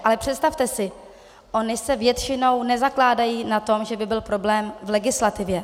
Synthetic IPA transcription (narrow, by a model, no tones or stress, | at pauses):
ʔalɛpr̥ɛt̪st̪aft̪ɛsɪ | ʔo̞nɪsɛvjɛt̪t͡ʃɪno̞wnɛzaklaːdajiːnat̪o̞mʒɛbɪbɪlpɾo̞blɛːmvlɛɡɪslat̪ɪvjɛ